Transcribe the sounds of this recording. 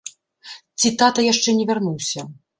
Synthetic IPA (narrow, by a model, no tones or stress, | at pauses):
t̪sʲit̪at̪ɐjaʂt͡ʂɛnʲɛvʲarnuwsʲɐ